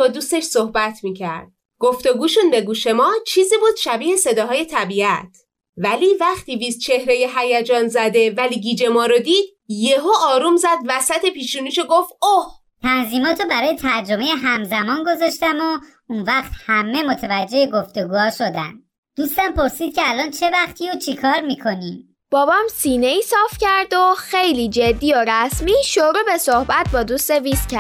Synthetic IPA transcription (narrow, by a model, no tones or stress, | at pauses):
bɒːd̪uːst̪e̞ʃsohbæt̪ʰmiːcʰæɾd̪̥̚ | ɡ̥oft̪oɡuːʃunbe̞ɡuːʃe̞mɒːt͡ʃʰiːzibud̪̥ʃæbiːhese̞d̪ɒːɦɒːje̞t̪ʰæbiæt̪ʰ | vælivæχt̪iːviːst̪̚t͡ʃʰe̞hɾejeɦæjæd͡ʒɒːnzæd̪e̞væliːɡid͡ʒe̞mɒːɾod̪iːd̪̥̚ | jeɦoɒːɾumzæd̪væsæt̪ʰepiːʃunuːʃoɡofoh | t̪ʰænziːmɒːt̪ʰobæɾɒːjet̪ʰæɾd͡ʒo̞me̞jeɦæmzæmɒːnɡo̞zɒʃt̪æmo | unvæχt̪hæmːe̞mo̞t̪ʰevæd͡ʒːe̞eɡo̞ft̪e̞ɡuːhɒːʃo̞d̪æ̰nd̪ | d̪̥uːst̪æmpo̞ɾsiːd̪̚cʰeælɒːnt͡ʃʰe̞væχt̪ʰiot͡ʃʰikʰɒːɾmiːkʰo̞niːm | b̥ɒːbɒːmsiːneiːsɒːfcʰæɾd̪oxejliːd͡ʒed̪ːiːoɾæsmiːʃoɾuːbe̞sohbæt̪̚bɒːd̪uːst̪eviscʰæɾ